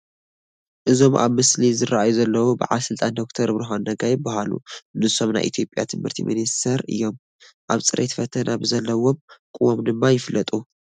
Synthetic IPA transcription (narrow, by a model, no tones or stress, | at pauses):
ʔɨzo̞mʔa̰βmɨslizɨɾaajuzɐlːɐwubɨʕa̰lɐsɨlt̪ʼand̪o̞k̚t̪ʰɐɾbɾɐɦonːɐɡajɪbahalṵnɨso̞mna̰jʔit̪ʰijo̞pʼja̰t̪ʰɨmhɨɾt̪ʰḭmḭnist̪ʰɐɾɨ̰jːo̞m | ʔaβt͡sʼɨɾʔet̪fɐt̪ʰɐnʔabzɐlːɐwo̞mkʼuwomd̪ɨmːajɪflːɐt̪ʼu